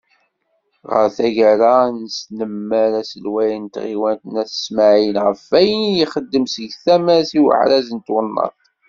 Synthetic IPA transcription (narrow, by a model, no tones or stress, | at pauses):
ʁə̰ɾθæʝæɾanəsnəmːæɾæsəlwæjənt̪ʁiwænt̪ənæθə̥smaʕjənʁəfæjənjiχəd̪ːəmsəʝθæmæsiwə̰ʕɾæzənt̪wənːɑ̰θ